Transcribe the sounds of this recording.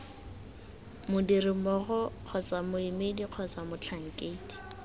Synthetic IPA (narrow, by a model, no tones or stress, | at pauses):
mʊdirɪmɔɣɔq͡χʰɔt͡samʊɪmediq͡χʰɔt͡samʊt͡ɬʰaŋ̩kʼeiti̥